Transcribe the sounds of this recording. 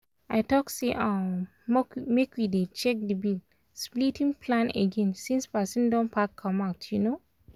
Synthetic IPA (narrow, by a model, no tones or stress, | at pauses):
aɪtɔkseʔã | mekʰwidet͡ʃɛk̚dəbil | splitʰĩŋpʰlãnḛɡẽnsĩnspasĩndɔ̃npʰakʰːɔ̃maʊtʰjuno